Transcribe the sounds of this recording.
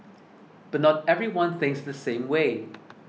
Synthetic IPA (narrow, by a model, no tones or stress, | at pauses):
b̥ʌt̚ⁿnɔt̚ɛvɹiwʌ̃nθɪ̃ŋksdəsẽɪ̃mweɪ